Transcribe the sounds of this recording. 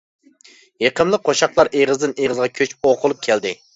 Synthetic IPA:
jeqʰəmlˠəq̚qʰːoʃɑqlˠɑɾʔeʁəzd̪ɨneʁəzʁɑkʲʰøt͡ʃoqʰʊlˠup̚kʲʰɛld̪ɪ

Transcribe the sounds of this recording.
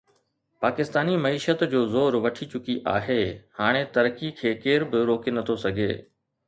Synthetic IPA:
paːkɪst̪aːnimɐiːʃət̪d͡ʑoːzoːɾʋɐʈʰit͡ɕʊkiʔa̰ːɦeːhaːɽ̃et̪ɐɾkikʰeːkeːɾbɪɾoːkenɐt̪ʰosɐɡʱḛː

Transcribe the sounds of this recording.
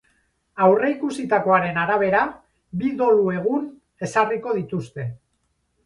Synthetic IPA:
awre̞ikusit̪ako̞aɾe̞naɾaβ̞e̞ɾa | biðo̞lue̞ɣ̞un | e̞sariko̞ð̞it̪ust̪e̞

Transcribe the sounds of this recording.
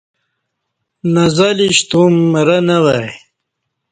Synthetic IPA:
nɐzaliɕt̪umɾɐnɐwaj

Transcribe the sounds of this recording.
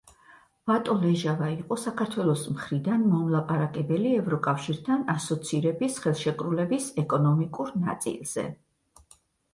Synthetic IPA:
vat̪ʼɔlɛʒavaiqʼɔsakʰaɾt̪ʰwɛlˠɔsmχɾid̪anmɔmlˠapʼaɾakʼɛbɛliɛvɾɔkʼafʃiɾt̪ʰanasɔt̪sʰiɾɛbisχɛlˠʃɛkʼɾulɛbisɛkʼɔnɔmikʼuɾna̰t̪sʼḭlˠz̥ɛ̰

